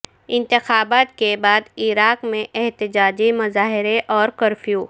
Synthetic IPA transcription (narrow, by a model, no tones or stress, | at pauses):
ɪ̃nt̪ɪxaːbaːt̪̚kebaːd̪iːɾaːkmẽʔɛɦt̪ɪd͡ʒaːd͡ʒimɐzaːɦɪɾeʔɔːɾkɐɾfjuː